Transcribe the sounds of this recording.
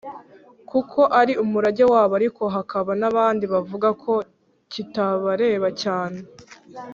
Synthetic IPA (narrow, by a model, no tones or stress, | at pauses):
kukʰo̞ʔaɾiumuɾaɟewaːβoaɾiko̞ɦakaβanaβaːndiβavuɡakʰo̞ | citaβaɾe̞ːβacaːne